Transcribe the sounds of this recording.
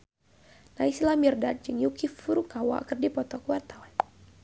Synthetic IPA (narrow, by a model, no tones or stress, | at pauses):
naislamirdad̚d͡ʒɨŋjukifuɾukawa̰kərdipɔt̪ɔkuwart̪awɛ